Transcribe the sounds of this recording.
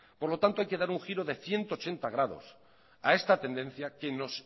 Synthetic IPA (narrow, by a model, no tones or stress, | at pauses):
po̞ɾlo̞t̪ant̪oajke̞ðaɾuŋxiɾo̞ðe̞θje̞nt̪oːt͡ʃe̞nt̪aɣ̞ɾaðo̞̰s | ae̞st̪at̪e̞nd̪e̞n̟θjakenos